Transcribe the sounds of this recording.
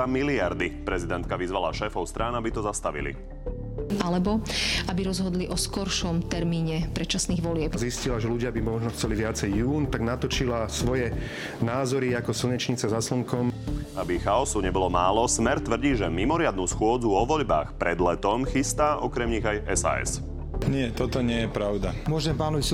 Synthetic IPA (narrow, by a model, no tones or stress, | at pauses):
amiliaɾd̪ipɾɛzid̪ɛnt̪̚kaʋizʋalaʃɛːfɔʊst̪ɾʔaːnabit̪ɔzast̪aʋḭlḭ | alɛbɔabiɾɔzɦɔd̪liʔɔskɔɾʃɔmt̪ɛɾmiːɲɛpɾɛt͡ʃasniːɣʋɔlɪɛpziscilaʒɛluɟɪabimɔʒnɔxt͡sɛliʋɪat͡sɛjːuːnt̪aɡnat̪ɔt͡ʃilasʋɔjɛ | naːzɔɾiakɔsl̩ɲɛt͡ʃɲit͡sazasl̩ŋkɔmʔabixaɔsuɲɛbɔlɔmaːlɔsmɛɾt̪ʋr̩ɟiːʒɛmimɔɾɪad̪̚nuːsxʊɔd͡zuɔʋɔʎba̰ːxpɾɛd̪lɛt̪ɔmxist̪aːʔɔkɾɛmɲiɣajɛsa̰ːɛ̰s | ɲɪɛt̪ɔt̪ɔɲɪɛjɛpɾaʊd̪amʊɔʒɛmpaːnɔʋis